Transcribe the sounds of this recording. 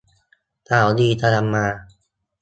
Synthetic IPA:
t̪aː˨˩˦wd̪iː˧t̪a˧la˧mːaː˧

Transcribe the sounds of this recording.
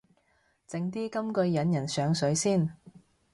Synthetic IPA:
t͡sɪ˨˥ŋt̪iː˥kɐ˥mkɵ˧ɥjɐ˨˥njɐ˨˩nsœː˨˥ŋsɵ˨˥ɥsiː˥˩n

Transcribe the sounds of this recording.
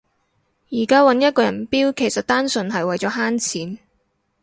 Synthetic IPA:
jiː˨˩kaː˥wɐ˨˧˥njɐ˥t̚kɔː˧jɐ̰˨˩npiː˥wkʰe˨˩jsɐ˨t̚t̪aː˥nsɵ˨˧nɦɐ˨jwɐ˨jt͡sɔː˨˥ɦaː˥nt͡sʰiː˨˥n

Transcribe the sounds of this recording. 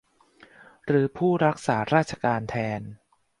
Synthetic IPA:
ɾɯː˩˦pʰuː˥˩ɾa˦˥k̚saː˩˦ɾaː˥˩t̪̚t͡ɕʰa˧kaː˧nt̪ʰɛː˧n

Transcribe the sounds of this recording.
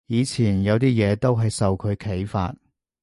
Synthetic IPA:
jiː˨˧t͡sʰiː˨˩njɐ˨˧wt̪iː˥jɛː˨˧t̪o˥wɦɐ˨jsɐ˨wkʰɵ˨˧ɥkʰe˨˥jfa̰ː˧t̚

